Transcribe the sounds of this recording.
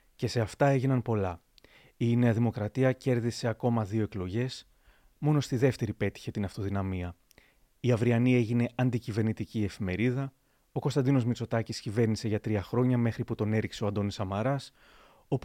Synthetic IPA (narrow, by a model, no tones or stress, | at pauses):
ce̞se̞ɐft̪ɐe̞ʝinɐnpo̞lɐ | ine̞ɐðimo̞kɾɐt̪iɐce̞ɾðise̞ɐko̞mɐðio̞e̞klo̞ʝe̞s | mo̞no̞st̪iðe̞ft̪e̞ɾipe̞t̪i̥çe̞t̪inɐft̪o̞ðinɐmiɐ | iɐvɾiɐnieʝine̞ɐnd̪icive̞ɾnit̪icie̞fime̞ɾiðɐ | o̞ko̞st̪ɐnd̪ino̞zmit͡so̞t̪ɐciscive̞ɾnise̞ʝɐt̪ɾiɐxɾo̞ɲɐme̞xɾiput̪o̞ne̞ɾikse̞oɐnd̪o̞nisɐmɐɾɐs | o̞p